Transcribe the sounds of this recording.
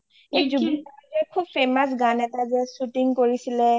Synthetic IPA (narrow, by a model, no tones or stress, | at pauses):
ezubiaazɛkʰub̚fʰemas̬ɡanɛtazɛsutiŋkoɹisilɛ